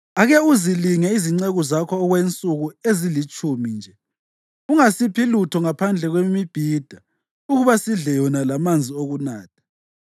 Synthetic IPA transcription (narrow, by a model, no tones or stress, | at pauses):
aɣɛuziliŋɛiziŋ͡ǀeɣuzakʰɔːɣwent͡sʼuɣuezilit͡ʃʼumind͡ʒʱɛ | uŋasipʰilutʰɔŋapʰand͡ɮʱɛɣwemib̥ʱiːd̥ʱa | uɣuβasiɮɛjɔnalamand͡zʱioɣunaːt̚ʰḁ